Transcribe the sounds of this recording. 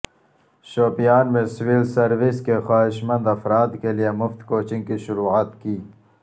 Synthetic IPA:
ʃoːpijɑːnmeswiːlsɐɾwiskexaːɦɪʃmɐ̃nd̪ɐfɾɑːd̪kelijemʊft̪koːt͡ʃĩŋɡkiʃʊɾuːat̪kiː

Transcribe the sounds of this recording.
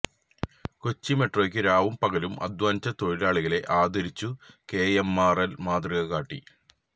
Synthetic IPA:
kot͡ɕːime̞ʈro̞ːkʲːɨɾaːʋumpɐɣɐlumʔɐ̰d̪ʋaːnt͡ɕːɐt̪o̞ɻiɾaːɭiɣɐle̞ʔaːd̪ɐɾit͡ɕːuke̞ːemːaːrɐlmaːd̪riɣɐkaːʈːḭ

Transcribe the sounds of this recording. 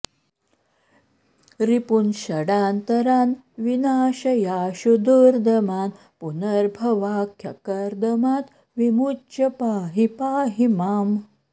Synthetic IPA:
ɾipunɕɐɽaːnt̪ɐɾaːn | ʋinaːɕɐjaːʃud̪uɾd̪ɐmaːn | punɐɾbʱɐʋaːkʰjɐ̰kɐɾd̪ɐmaːt̪ | ʋimut͡ʃɐpaːɦipaːɦimaːm

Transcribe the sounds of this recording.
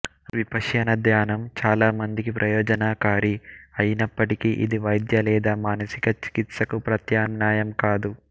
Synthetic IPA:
ʋipɐʂjɐnɐd̪jaːnɐmt͡ʃaːlaːmɐnd̪ikipɾʔɐjɔːd͡ʒɐnaːkaːɾiɐjinɐpːɐʈikiʔḭd̪iʋɐjd̪jɐlɛːd̪aːmaːnɐsikɐt͡ʃi̥kit̪sɐkupɾɐt̪jaːmnaːjɐmkaːd̪u

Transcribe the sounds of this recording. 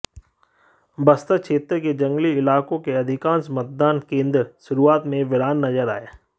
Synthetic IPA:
bɐst̪əkʃʰeːt̪ɾəked͡ʒɐ̃ŋɡliɪlaːkõkeɐd̪ʱɪkãːnsmɐt̪̚d̪aːnkẽːnd̪əɾʃʊɾuaːt̪mẽʋɪɾaːnːɐzəɾa̰ːjaː

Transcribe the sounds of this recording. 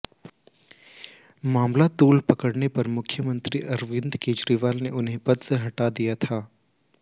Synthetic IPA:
maːmlat̪uːlpɐkəɽnepɐɾmʊkʰjəmə̃nt̪ɾiʔɐɾʋɪ̃nd̪keːd͡ʒɾiʋaːlneʔʊnɦẽpɐd̪seɦɐʈad̪ijat̪ʰaː

